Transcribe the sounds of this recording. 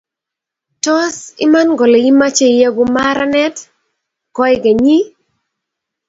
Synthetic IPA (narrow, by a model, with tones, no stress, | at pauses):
tɔ˦sɪ̰˦ma˦nɡɔ˨le˨i˦ma˦t͡ʃe˦i˨ja˦ɡʊ˨ma˦ɾa˦nɛ˦t | kɔ˦ɪ˦ɡa˨ɲi˦